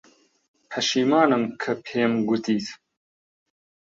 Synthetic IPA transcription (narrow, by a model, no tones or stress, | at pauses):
hɐʃiːmaːnɨmkʰɨpʰeːmɡut̪iːt̪